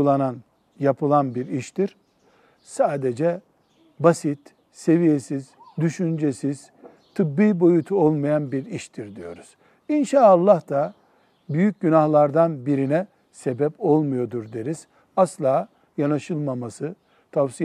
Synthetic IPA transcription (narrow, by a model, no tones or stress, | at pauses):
ulˠanan | japɯlˠanbiɾiʃt̪iɾ̥ | saːd̪ed͡ʒɛ | basit̪ | se̞vijesiz̥ | d̪yʃynd͡ʒesiz̥ | t̪ʰɯbːiːbo̞jut̪ʰuolˠmajanbiɾiʃt̪ʰiɾd̪ijo̞̰ɾuz̥ | inʃaːlˠːahd̪a | byjyc̚ɟynahlˠaɾd̪anbiɾinɛ | sebɛpo̞lˠmujo̞d̪uɾd̪eɾiz̥ | aslˠaː | janaʃɯlˠmamasɯ | t̪ʰavsi